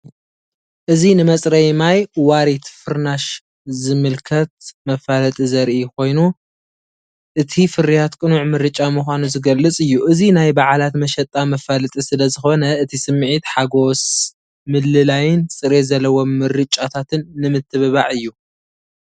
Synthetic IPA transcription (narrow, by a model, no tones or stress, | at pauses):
ʔɨzinɨmɐsʼɾɐjmajwaɾit̪fɨɾnaʃ | zɨmɨlkʰɐt̪mɐfalɐt̪ʼizɐɾʔikʰo̞jnu | ʔɨt̪ʰifɨɾijat̪kʼɨnuʕmɨɾɨt͡ʃʼamuxʷanuzɨɡɐlːɨt͡sʼɨjːuʔɨzinajbaʕalat̪mɐʃɐt̪ʼamɐfalɐt̪ʼisɨlɐzɨxo̞nɐɨt̪ʰisɨmːʕit̪ħaɡo̞s | mɨlːɨlajɪnt͡sʼɨɾezɐlːɐwomːɨɾɨt͡ʃʼat̪ʰat̪ʰɨnːɨmɨt̪ʰːɨβɨβa̰ʕɨjːu